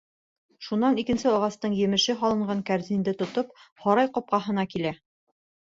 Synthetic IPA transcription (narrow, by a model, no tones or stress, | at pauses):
ʃunːɑnikɘ̆nsɘɒʁɑst̪ɤɴjɘ̆mɘ̆ʃɘɦɒlˠɤ̆ɴɢɑŋkæɾzind̪ɘt̪ŏt̪op̚hɒɾɑjqŏp̚qɑɦɤ̆nɑkilæ